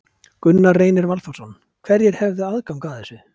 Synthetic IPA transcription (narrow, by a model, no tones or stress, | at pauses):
kʏnːareːjnɪɾvalfɔsɔn | kʰv̥ɛɾjɛɾ̥hɛvðɪaðkawmkaðɛsʏ